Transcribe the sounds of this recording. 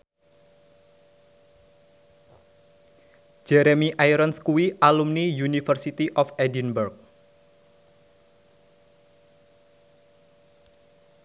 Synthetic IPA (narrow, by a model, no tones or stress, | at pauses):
d͡ʒ̥ɛɾemiʔajɾənskuwiʔalumnijunifərsit̪iʔɔfɛdinbɛrk̚